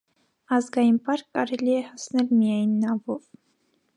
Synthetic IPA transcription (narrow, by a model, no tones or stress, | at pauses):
ɑzɡɑjinpɑɾkkːɑɾɛliɛhɑsnɛlmijɑjnːɑvɔv